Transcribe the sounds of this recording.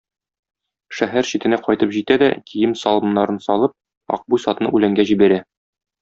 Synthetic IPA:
ʃæɦæɾɕit̪ɘ̆næqɒjt̪ɤpʑit̪æd̪æ̰kʰijɘmsɒlˠɤ̆mnːɑɾɤnsɒlˠɤp̚ | ɒ̰q̚bujsɒt̪nɤʔʉlæŋɡæʑibæɾæ

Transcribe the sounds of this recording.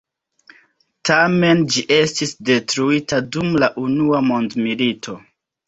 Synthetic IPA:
tame̞nd͡ʒiʔe̞stisde̞tɾuitadumlaʔunuamo̞ndmilitʰo̞

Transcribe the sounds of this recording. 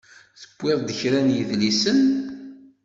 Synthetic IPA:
θəbʷːɪðˤd̪əçɾænjəðlisən

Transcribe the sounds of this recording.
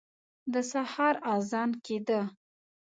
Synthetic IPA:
d̪əsahɑɾɑzɑnked̪ə

